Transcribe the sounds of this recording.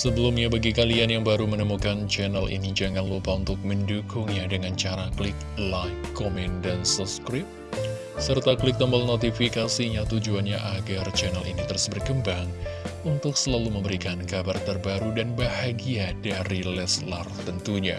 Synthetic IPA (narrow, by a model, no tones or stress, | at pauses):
səbəlumɲabaɡikalianjaŋbaɾumənəmukant͡ʃɛnalḭnid͡ʒaŋanlupaunt̪ʊk̚məndukʊŋɲadəŋant͡ʃaɾaklɪk̚lakːomɛndansɔskɾɪp̚ | sərt̪aklɪk̚t̪əmbəlnot̪ifikasiɲat̪ud͡ʒuanɲaʔaɡart͡ʃɛnalḭnit̪əɾʊsbərkəmbaŋunt̪ʊksəlaluməmbəɾikankabart̪ərbaɾudanbahaɡiadaɾilɛslart̪ənt̪uɲa